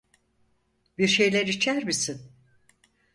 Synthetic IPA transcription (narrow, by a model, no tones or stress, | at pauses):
biɾʃe̞jlʲeɾit͡ʃʰæɾmisin